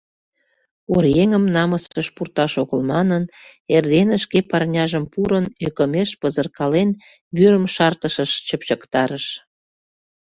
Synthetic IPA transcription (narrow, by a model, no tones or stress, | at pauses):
orjeŋəmnɑməsʃəʃpurt̪ɑʃoɣəlmɑnənerd̪enəʃkepɑrnʲɑʒəmpuɾənøkə̆meʃpəzərkɑlen | βyɾəmʃɑrt̪əʃəʃt͡ɕəpt͡ɕəkt̪ɑɾəʃ